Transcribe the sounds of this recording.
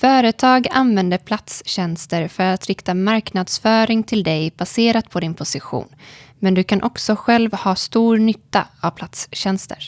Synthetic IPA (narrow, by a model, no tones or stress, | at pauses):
fœːɾət̪ʰɑːɡa̰nvɛnd̪əɾpʰlat̪sɕɛnst̪əɾfœɾat̪ɾɪkt̪amaɾknad̪̥sfœːɾɪŋt̪ʰɪld̪ɛjb̥aseːɾat̪pʰɔd̪ɪnpʰʊsɪɧṵːnmɛnd̪ɵkʰanʔɔksɔɧɛlvhɑːst̪uːɾnʏt̪ːa̰avpʰlat̪sɕɛnst̪ʰə̰ɾ